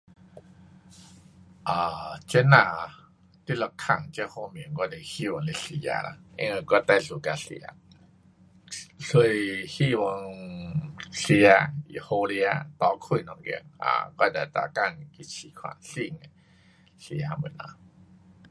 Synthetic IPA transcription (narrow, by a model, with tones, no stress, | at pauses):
ʔaː˨˩t͡ɕe˦nã˨˧˩ | t̪i˧˦˩lɔ˧kʰa˨˩ŋt͡ɕɛ˧ho˧mi˨ə˦ŋkɔ˧ne˧˩hi˧˨wɔ˧ŋle˧ɬi˧ja̰˧la̰˧ḛ˧˦ŋə˧kɔ˧t̪a˧˨ɬu˨˧˩ka˧sḭ˧a̰˧ | ɬu˧jhi˦˧wɔ˧ŋ | si˧a˧ḭ˨ho˧li˧a˧t̪ɔ˧˦kʰu˧˩˨nɔ˧ŋɡḭ˧˨ŋa̰˧˩kɔ˧d̪a˨˩t̪a̰˧˩ka˥˧˨ŋki˧˥t͡ɕʰi˨˦kʰwa̰˧˩ɬi˧ŋe˧˨ | ɬi˧a˧mə˨˦na̰˧